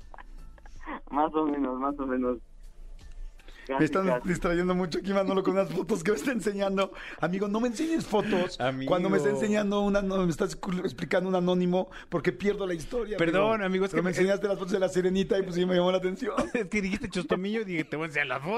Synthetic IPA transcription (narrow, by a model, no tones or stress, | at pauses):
masomẽnosmasomẽnos | amest̪and̪ist̪ɾaʝe̞nd̪omut͡ʃoak̬imand̪olo̞konunasfo̞t̪o̞s̬k̬emest̪aense̞ɲãnd̪o̞amiɣo̞no̞mense̞ɲesfo̞t̪o̞samkwand̪o̞mest̪aens̬e̞ɲãnd̪o̞unanomest̪aseksplikand̪ounanõ̞nĩmo̞ | po̞ɾke̞pje̞ɾðo̞laist̪o̞ɾjapeɾðonamiɣoeseɾkeomenseɲast̪e̞lasfot̪ozðelaseɾe̞nit̪aipwos̬aomeʝamolaːt̪e̞nsjo̞neskeðixist̪et͡ʃost̪omiʝoiðixet̪eβoensealasfo